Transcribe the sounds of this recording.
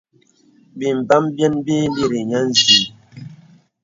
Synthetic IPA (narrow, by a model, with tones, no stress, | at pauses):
bi˨m̩˨ba˦mbjɛ˦nbi˦di˦˨ɾi˨ɲa˦n̩˦zi˨˦